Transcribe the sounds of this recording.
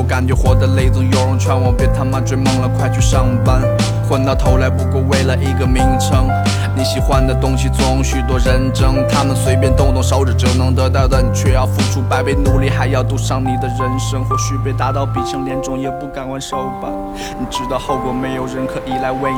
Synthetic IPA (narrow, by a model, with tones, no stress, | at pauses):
ka˨˩nt͡ɕɥɛ˧˥xwɔ˧˥d̪ə˧le˥˩ɪt͡sɹ̩˧jo˧˥ʊɻʊ˧˥ŋt͡ɕʰɥɛ˧˥nwɑ˧˥ŋpjɛ˥˧nt̪ʰa˥nma˧˩ʈ͡ʂwe˥˧ɪmɤ˥˧ŋlə˨kʰwa˥˧ɪt͡ɕʰy˥ʂɑ˥˩ŋpa˥n | kʰwə˥˧nt̪ɑ˥˩ʊt̪ʰo˧˥ʊla˧˥ɪpu˧˥ko˥˧ʊwe˥˩ɪlə˩ʔi˧˥ɡə˧mi˧˥ŋʈ͡ʂʰɤ˥ŋ | ni˨˧˥ɕi˨˩xwa˧˥n˨d̪ə˩t̪ʊ˥ŋɕi˨˩t͡swɔ˧˥ʊ˧˥ŋɕy˨˩t̪wɔ˥ɻə˧˥nʈ͡ʂɤ˥ŋt̪ʰa˥mə˨nswe˥ɪp̬jɛ˥nt̪ʊ˥˧ŋt̪ʊ˧ŋʂɑ˧˥ʊʈ͡ʂ̩˨˩ʈ͡ʂnɤ˧˥ŋt̪ɤ˧˥t̪ɑ˥˩ʊd̪ə˩ni˨˩t͡ɕʰɥɛ˥˧jɑ˥˧ʊfu˥˩ʈ͡ʂʰu˥pa˧˥ɪpe˥˩ɪnu˨˥li˥˧˩xa˧˥ɪjɑ˥˧ʊt̪u˥ʂɑ˥˩ŋni˨˩d̪ə˦ɻə˧˥nʂɤ˥ŋxwɔ˥˧˩ɕy˥˧pe˥˩ɪt̪a˧˥t̪ɑ˥˩ʊpi˨˩ʈ͡ʂʰɤ˧˥ŋljɛ˧˥nʈ͡ʂʊ˥˩ŋjɛ˨˧˩pu˥˩ka˨˩nwa˧˥nʂo˧˥ʊ˧˩pa˨˩ | ni˨˩ʈ͡ʂɻ̩˧˥d̪ə˧xo˥˩ʊkwɔ˧˩˥me˧˥ɪjo˨˩ʊɻə˥˩nkʰɤ˧˩ʔi˧˩la˧˥ɪwe˥˧ɪ